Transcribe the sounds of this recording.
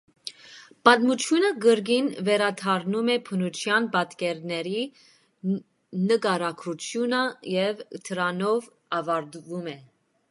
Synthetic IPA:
pɑt̪mut͡ʃʰjunəɡəɾɡinvɛɾɑt̪ʰɑɾnumɛpʰənut͡ʃʰjɑnpɑt̪kɛɾnɛɾi | nəkɑɾɑkʰɾut͡ʃʰjunəjɛvt̪ʰəɾɑnɔv | ɑvɑɾt̪vumɛ

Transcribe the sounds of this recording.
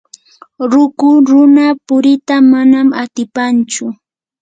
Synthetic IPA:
ɾʊkʊɾʊnapʊɾɪt̪amanamat̪ɪpant͡ʃʊ

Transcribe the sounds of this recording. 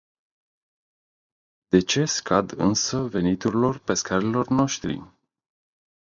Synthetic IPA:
d̪̥e̞t͡ʃe̞skʰad̪ɨ̰nsəve̞nit̪uɾilo̞rpe̞skaɾilo̞rno̞ʃt̪ɾḭ

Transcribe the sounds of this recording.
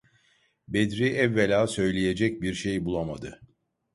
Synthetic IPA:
bed̪ɾiʔɛvːelʲaːsø̞jlʲeje̞d͡ʒɛc̚biɾʃejbulˠamad̪ɯ

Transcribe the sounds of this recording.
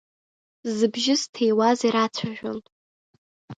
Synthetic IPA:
zɨbʒɪstʰejwaziɾat͡sʷʰaʒᶣo̰n

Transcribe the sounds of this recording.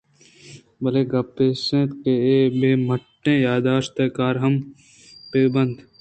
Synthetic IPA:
bɐleːɡɐpːeːsẽt̪keeːbeːməʈːẽːjaːd̪aːʃt̪ɐkaːɾɦɐm | peːbɐ̃nd̪

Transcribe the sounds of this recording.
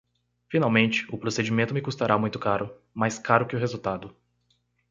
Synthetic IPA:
finawmẽnt͡ʃɪ̥ʊpɾosed͡ʒimẽnt̪ʊmɪkust̪aɾʔamũj̃t̪ʊkaɾʊ | majskaɾʊkɪʊɦezuwt̪ad̪ʊ

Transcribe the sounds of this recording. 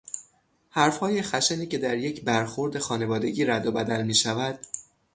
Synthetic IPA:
hæɾfhɒːje̞xæʃeniːce̞d̪æɾje̞cʰbæɾxo̞ɾd̪e̞xɒːne̞vɒːd̪e̞ɟiːɾæd̪obæd̪ælmiːʃævæd̪̥

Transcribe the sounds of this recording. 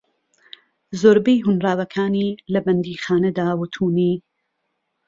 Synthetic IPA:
zoːɾbejɦʊnraːwɐkʰaːniːlɐbɐnd̪iːxaːnɐd̪aːwʊt̪ʰuːniː

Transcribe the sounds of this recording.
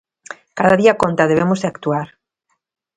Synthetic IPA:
kaðaðiakont̪aðeβemozðeakt̪uaɾ

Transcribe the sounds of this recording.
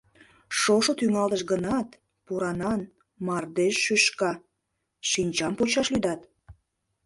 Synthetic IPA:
ʃoʃot̪yŋɑlt̪əʃɡənɑt̪ | puɾɑnɑn | mɑrd̪eʃːyʃkɑ | ʃinʲt͡ɕɑmpot͡ɕɑʃlyd̪ɑt̪

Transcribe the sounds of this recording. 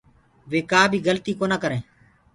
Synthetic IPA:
ʋeːkaːbʱiːɡəlt̪iːkoːnaːkəɾẽː

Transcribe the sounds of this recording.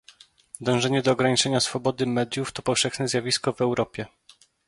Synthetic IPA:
d̪ɔ̃w̃ʐɛɲɛd̪ɔːɡɾaɲit͡ʂɛɲasfɔbɔd̪ɘmɛd̪ʲjuft̪ɔpɔfʂɛxnɛzʲjavʲiskɔvɛwɾɔpʲjɛ

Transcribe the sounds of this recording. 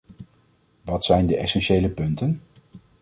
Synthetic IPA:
ʋɑtsɛjndəʔɛsɛnʃejləpɵntən

